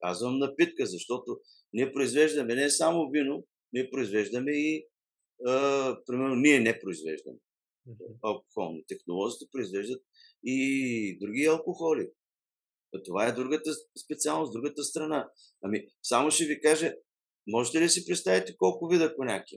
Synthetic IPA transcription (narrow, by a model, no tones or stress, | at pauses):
kazvɐmnɐpit̪kəzɐʃt̪ɔt̪o | niɛpɾoizvɛʒd̪ɐmɛnɛsamʊvino | niɛpɾoizvɛʒd̪əmɛi | əpɾimɛɾnoniɛnɛpɾoizvɛ̰ʒd̪ə̰mɛ | ɐlˠko̥xɔ̰lˠno̰t̪ɛxnolˠɔzit̪ɛ̥pɾoizvɛʒd̪ət̪̚id̪ɾuɡ̟iɐlˠkoxɔli | t̪ovaɛd̪ɾuɡət̪əspɛt̪sialˠnosd̪ɾuɡət̪əst̪ɾɐna | ɐmisamoʃɛvikaʒɛ | mɔʒɛt̪ɛlisipɾɛt̪st̪avit̪ɛkɔlˠkʊvid̪ɐponʲakijɛ